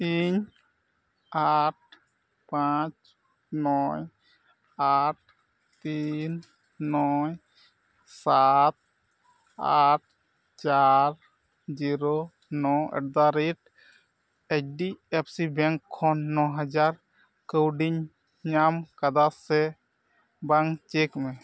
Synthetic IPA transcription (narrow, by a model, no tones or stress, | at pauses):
iɲ | aʈ̚ | pat͡ʃ | nɔj | aʈ̚ | t̪ːinː | ɔj | sat̪̚ | aʈ̚ | t͡ʃaɾ | d͡ʒiɾo | nɔɛ̰ʈ̚d̪aɾiʈ̚ | ɛt͡ʃɖiepʰsibɛŋkʰːɔnːɔɦad͡ʒaɾ | kəwɖiɲ | ɲamkad̪asɛ | baŋt͡ʃekmɛ̃